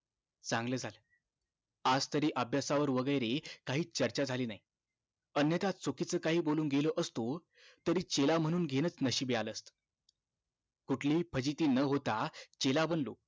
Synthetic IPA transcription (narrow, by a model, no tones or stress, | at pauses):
t͡sãŋɡləːd͡zʱalə | ad͡zt̪əɾiːʔəbʱjasaʋəɾʋəɡəjɾekaɦiːt͡ɕəɾt͡ɕad͡zʱaliːnaɦi | ənjət̪at̪t͡sokit͡səːkaɦiːboluːnɡeləʔəst̪o | t̪əɾiːt͡ɕelam̤əɽ̃uːnɡʱeñət͡snəɕiːbejaləst̪ | kuʈʰliːpʰəd͡ʑit̪iːnəɦot̪at͡ɕelabənlo̰